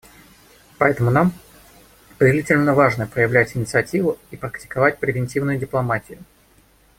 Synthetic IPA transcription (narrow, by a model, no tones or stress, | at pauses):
pɐɛt̪əmʊnam | pədʲɪlʲitʲɪlʲnəvaʐnəpɾəjɪvlʲætʲɪnʲɪt̪sɨɐtʲivʊipɾəktʲɪ̥kɐvatʲpɾʲɪvʲɪnʲtʲivnʊjʊdʲɪplˠɐmatʲɪjʊ